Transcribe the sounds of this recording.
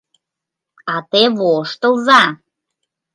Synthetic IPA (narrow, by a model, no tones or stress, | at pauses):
ɑt̪eβoʃt̪ə̆lzɑ